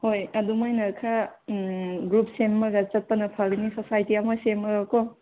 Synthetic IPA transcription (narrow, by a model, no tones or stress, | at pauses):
hojɐdumajnɐkʰa | ɡɾup̚semːɐɡɐt͡ʃɐt̚pɐnɐpʰalinisosajtiamasemɯɡakɔ